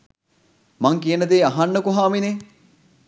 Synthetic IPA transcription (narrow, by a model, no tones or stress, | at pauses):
maŋkijənəd̪eːaɦanːəkuɦaːmine